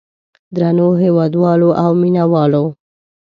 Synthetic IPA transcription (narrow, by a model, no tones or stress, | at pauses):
d̪ɾanoɦewɑd̪wɑloʔawminawɑlo